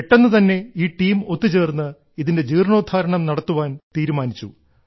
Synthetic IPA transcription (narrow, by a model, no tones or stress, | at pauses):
eʈːenːɨt̪ɐnːe̞iːʈiːmo̞t̪ːit͡ɕe̞ːrnːɨ | iðinde̞d͡ʑiːrɳo̞ːd̪ʱaːɾɐɳɐmnɐɽɐt̪ːuʋaːnt̪iːɾumaːnit͡ɕːṵ